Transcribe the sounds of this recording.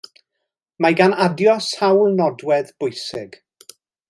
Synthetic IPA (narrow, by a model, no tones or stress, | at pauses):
majɡanadjɔsawlˠnɔdwɛðb̥ʊjsɪɡ̥